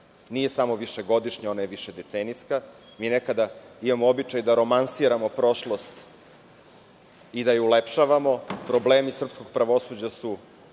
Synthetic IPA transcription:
nije̞samoʋiʃeɡo̞d̪iʃɲao̞najeʋiʃed̪e̞t̪seniska | miːnekad̪aimamoobit͡ʃajd̪aɾo̞mansiɾamo̞pɾo̞ʃlo̞st̪ | id̪ajeulepʃaʋamo̞pɾobleːmisr̩psko̞ɡ̥̚pɾaʋo̞sud͡ʑasu

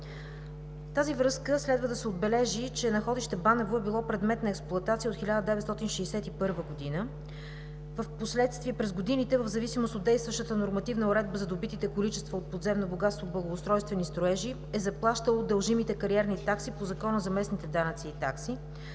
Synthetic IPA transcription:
t̪azivɾɤskəslɛd̪vəd̪ɐsɛod̪̚bɛlɛʒit͡ʃɛnɐxɔd̪iʃt̪ɛbanɛvoɛbilˠɔpɾɛd̪mɛt̪nɐɛksplˠʊɐt̪at̪siəot̪xilʲad̪əd̪ɛvɛt̪st̪ɔt̪inʃɛːsɛt̪ipɤɾvəɡod̪inə | vəfposlɛt̪st̪viɛpɾɛzɡod̪init̪ɛvəvzɐvisimost̪ot̪d̪ɛjst̪vəʃt̪ət̪ənoɾmɐt̪ivnəoɾɛd̪̚bəzɐd̪obit̪it̪ɛkolit͡ʃɛst̪vəot̪̚pod̪zɛmnoboɡat̪st̪voblˠəɡoːst̪ɾɔjst̪vɛnist̪ɾoɛʒi | ɛzɐplˠaʃt̪əlˠod̪əlˠʒimit̪ɛkɐɾiɛɾnit̪aksipozɐkɔnəzɐmɛsnit̪ɛd̪anət̪siːt̪aksi

